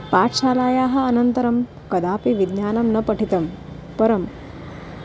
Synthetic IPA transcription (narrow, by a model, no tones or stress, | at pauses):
paːt̪ʰʃaːlaːjaːɦɐ̆ɐnɐnt̪ɐɾɐm | kɐd̪aːpiʋid̪njaːnɐmnɐpɐʈʰit̪ɐm | pɐɾɐm